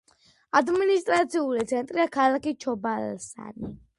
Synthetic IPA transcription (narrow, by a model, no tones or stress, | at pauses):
ad̪minist̪ʼɾat̪siulit̪sʰɛnt̪ʼɾiakʰalakit͡ʃʰɔbalsa̰ni